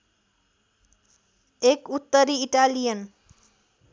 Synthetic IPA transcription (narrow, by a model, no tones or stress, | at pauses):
ekut̪ːəɾiːʈalijən